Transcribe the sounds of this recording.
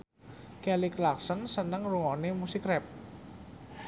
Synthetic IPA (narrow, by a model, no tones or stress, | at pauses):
kɛlɪklaksənsənəŋruŋonemusikɾɛp̚